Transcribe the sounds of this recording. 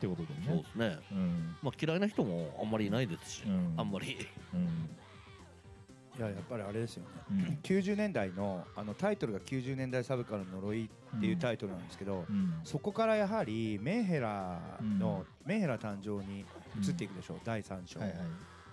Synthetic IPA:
ekot̪od̪essoːd̪esɨnẽ̞maːkʲiɾainaçit̪o̞moã̰mːaɾʲinaid̪e̞sɨ̥ɕi̥ãmːaɾʲi | jajapːaɾʲiaɾe̞d̪e̞sɨjo̞nekʲɨːʑɨːnẽ̞nd̪aino̞ano̞t̪ait̪o̞ɾɯ̟ɡakʲɨːʑɨːnẽnd̪aisaβɯ̟kaɾɯɲno̞ɾo̞it̪ːe̞jɯ̟t̪ait̪o̞ɾɯ̟nãnd̪eske̞d̪o̞so̞ko̞kaɾajaɦaɾʲime̞ːɦe̞ɾano̞ | mẽ̞ːhe̞ɾat̪ãɲd͡ʑo̞ːɲ̟iɯ̟t͡sɨt̪ːe̞ikɯd̪e̞ɕo̞̰ːd̪aisãɲɕo̞ai

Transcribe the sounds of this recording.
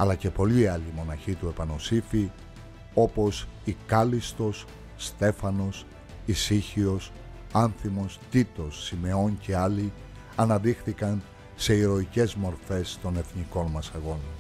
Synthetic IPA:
ɐlɐce̞po̞liːɐlimo̞nɐçit̪ue̞pɐno̞sifi | o̞po̞sikɐlist̪o̞sː | t̪e̞fɐno̞s | isiçio̞s | ɐnθimo̞st̪it̪o̞sːime̞o̞nce̞ɐli | ɐnɐðixθikɐn | se̞iɾo̞ice̞zmo̞ɾfe̞st̪o̞ne̞θniko̞nmɐsɐɣo̞nɐ

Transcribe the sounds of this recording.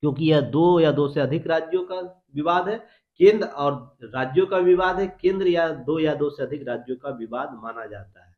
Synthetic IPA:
kjõːk̬ijɛd̪oːjad̪oːseɐd̪ʱɪkɾaːd͡ʒjõka | ʋɪʋaːd̪ʱɦɛː | kẽːnd̪ɾɔːɾɾaːd͡ʒjõkaʋɪʋaːd̪ɦɛkẽːnd̪ɾəjad̪oːjad̪oːseɐd̪ʱɪkɾaːd͡ʒjõkaʋɪʋaːd̪maːnad͡ʒaːt̪aɦɛː

